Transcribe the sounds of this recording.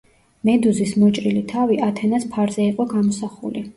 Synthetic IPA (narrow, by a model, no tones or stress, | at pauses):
mɛd̪uzismɔt͡ʃʼɾilit̪ʰaviʔat̪ʰɛnaspʰaɾzɛiqʼɔɡamɔsaχṵli